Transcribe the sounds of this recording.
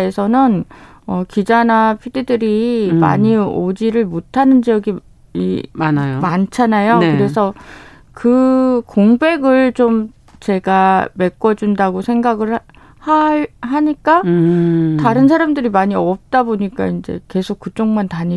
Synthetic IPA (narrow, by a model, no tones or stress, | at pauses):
e̞sʰʌnɯn | ʌkid͡ʑanapʰididɯɾima̰ɲiod͡ʑiɾɯɭmotʰanɯnd͡ʑijʌɡi | inajomant͡ɕʰanajokɯɾe̞sʰʌ | kɯkoŋbe̞ɡɯɭt͡ɕom | t͡ɕe̞ɡame̞k͈ʌd͡ʑundaɡosʰe̞ŋɡaɡɯɭ | haɦaɲik͈a | taɾɯns̬ʰaɾamdɯɾimaɲiʌp̚t͈aboɲik͈a̰ind͡ʑe̞̰ke̞sʰok͈ːɯt͡ɕ͈oŋmantaɲi